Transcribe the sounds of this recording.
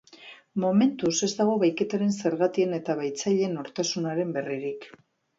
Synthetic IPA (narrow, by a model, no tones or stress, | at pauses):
mo̞me̞nt̪use̞zd̪aɣ̞o̞βajke̞t̪aɾe̞nse̞ɾɣat̪ie̞ne̞t̪aβajt͡saʎe̞no̞ɾt̪asunaɾe̞mbe̞riɾik